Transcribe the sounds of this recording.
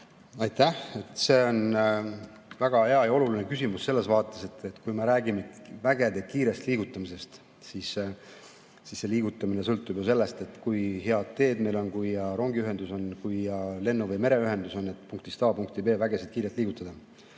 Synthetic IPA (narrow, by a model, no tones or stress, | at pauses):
ɑjt̪æhe̞t̪se̞ːo̞n | væɡ̥ɑhe̞ɑjɑo̞lulinekysimusse̞lːe̞svɑːt̪ːˑe̞se̞t̪ːet̪ːkujmeɾæːɡimet̪væɡe̞d̪̥e̞kiːɾe̞st̪liːɡ̥ut̪ːˑɑmise̞st̪ | sis | sisːe̞liːɡ̥ut̪ːˑɑmine̞sɤlt̪ːˑub̥jose̞lːe̞st̪e̞t̪ːˑkujɦe̞ɑd̪̥̚t̪e̞ːd̪me̞jlo̞nkujjɑɾo̞ŋɡiyɦe̞nd̪uso̞nkujjɑle̞nːuvɤjme̞ɾe̞yɦe̞nd̪uso̞nːe̞t̪puŋk̚t̪ist̪ɑːpuŋk̚t̪ibe̞ːvæɡe̞sed̪̚kiːɾet̪liːɡ̥ut̪ːˑɑd̪̥ɑ